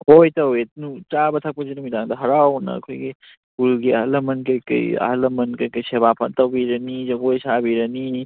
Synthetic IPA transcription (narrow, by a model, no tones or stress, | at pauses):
ojtɐwenut͡ʃabɐtʰak̚pɐzinumidaŋdɐɦɐɾawnɐ̰ːkʰojɡi | ulɡiɐ̰ɦlɐmɐnkɐjkɐ̰jɐ̰ɦɐlɐmɐnkɐjkɐjseβapʰɐtɐwbiɾɐnid͡ʒɐɡojsabiɾɐni